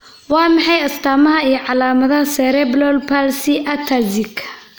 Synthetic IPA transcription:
wɑːmɑħɑjɐst̪ʰaːmɐɦɐijɔʕɑlaːmɐðɐhɐsɛːɾɛblɔlpʰalsɪʔɐt̪ʰɐzɪkʰɐ̥

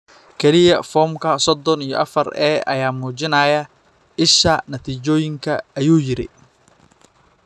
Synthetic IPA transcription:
kʰɛlɪjɐfɔːmkʰɐsɔd̪ɔnijɔ̰ʔɐ̰fɐrɛːʔɐ̰jaːmuːt͡ʃɪnɐːjɐ | ɪʃɐnɐt̪ʰiːt͡ʃɔːjɪŋkʰɐɐjuːjɪɾɪ̰

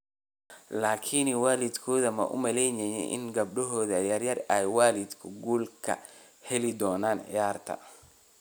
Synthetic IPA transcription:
laːkʰinwaːlɪd̪kʰɔːðɐmɐ̰ʔʊ̰mɐlɛjnɛjɛ̰ʔɪ̰nɡɐb̚ɖɔɦɔːðɐjɐrjɐrɛjwaːlɪd̪kʰʊɡuːlkʰɐ̰ | hɛlɪd̪ɔːnaːnʕɪ̰jaːrt̪ʰɐ̰

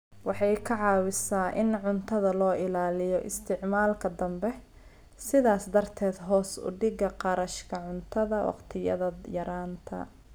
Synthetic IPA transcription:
wɑħɑjkʰɐʕɑːwɪsaːʔɪnʕʊnt̪ʰɐðɐlɔːʔɪlaːlɪjɔʔɪst̪ʰɪʕmaːlkʰɐd̪ɐmbɛ | sɪðaːsd̪ɐrt̪ʰɛːd̪ɦɔːsʊ̰ɖɪɡɐqɑɾɐʃkʰɐʕʊnt̪ʰɐðɐwɑ̰qt̪ʰɪjɐ̰ðɐjɐɾaːnt̪ʰɐ̰

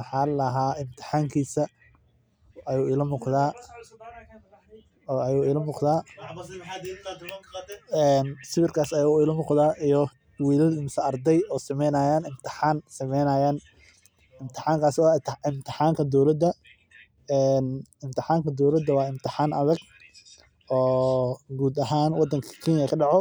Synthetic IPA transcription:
mħaːlɐɦaːʔɪmt̪ʰɪ̥ħaːŋkʰiːsɐ | ɐjuːɪlɐmʊqðaː | ɐjuːɪlɐmʊːqðaː | ɛːnsɪwɪrkʰaːsɐjuːɪlɐmʊːqðaːʔijɔ | wiːlɐlɪmsɐɐrd̪ɛjɔːsɐmɛjnaːjaːnɪmt̪ʰɪ̥ħaːnsɐmɛjnaːjaːn | ɪmt̪ʰɪ̥ħaːŋkʰaːswɪmt̪ʰɪħaːŋkʰɐd̪ɔwlɐd̪ɐ | ɛːnɪmt̪ʰɪħaːŋkʰɐd̪ɔwlɐd̪ːɐwɑːɪmt̪ʰɪħaːnʔɐðɐɡ | ʔɔːɡuːd̪ɐɦaːnwɑd̪ːɐŋkʰɐ̥kʰiːnjɐkʰɐɖɑʕɔ

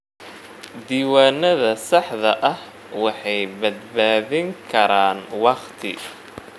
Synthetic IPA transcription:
d̪iːwaːnɐðɐsɑħðɐʔɐh | wɑħɑjbɐd̪̚baːðɪŋkʰɐɾaːnwɑqt̪ʰɪ̰

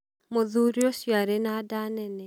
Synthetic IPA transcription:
moðuɾiosjaɾenadanɛnɛ

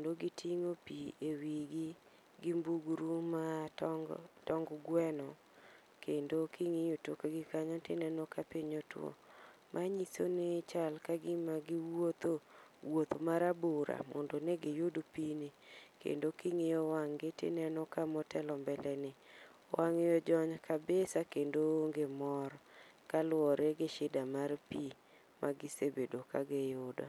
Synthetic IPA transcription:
endoɡɪtʰiŋopiewiɡi | ɡimbuɡɾuma | tɔŋɡɡwɛnɔ | kʰendokʰiŋejotokoɡɪkaɲɔtɪ̰nɛnɔkapɪɲɔtw̰o̰ | mʔaɲisonet͡ʃalkaɡɪmaɡɪwot̪owot̪omaɾaboɾa̰mɔ̰ndɔnɛɡejodopinikḛndokiŋejɔwaŋɡɪtɪ̰nɛnɔkamɔtɛlɔmbɛlɛnɪ | waŋejɔd͡ʒɔɲkʰabesakendoŋɡemɔɾ | kalwɔɾeɡeʃɪdamarpi | mʔaɡɪsebedokaɡejʊdɔ̰

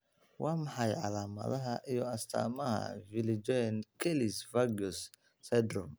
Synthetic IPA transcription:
wɑːmɑħɑjʕɑ̰laːmɐ̰ðɐɦɐʔijɔɐst̪ʰa̰ːmɐɦɐ̰vɪlɪd͡ʒɔnkʰɛlɪsfaɡɔsː | ɛd̪rɔm

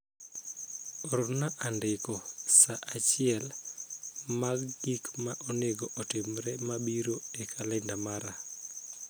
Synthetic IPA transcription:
ɾʊnaʔandɪkɔsaʔat͡ʃɪɛl | maɡɡikmaʔɔneɡɔʔɔtɪmɾɛmabiɾoekʰalandamaɾa

